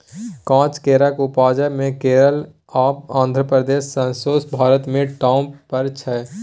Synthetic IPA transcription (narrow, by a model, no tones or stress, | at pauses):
kãːt͡ʃkeːɾəkʊpaːd͡ʒəmẽkeːɾəl | aːpãːnd̪ʱɾəpɾəd̪eːʃːə̃nsoːsbʱaːɾət̪mẽʈaːʊ̃mpəɾt͡ʃʰɛː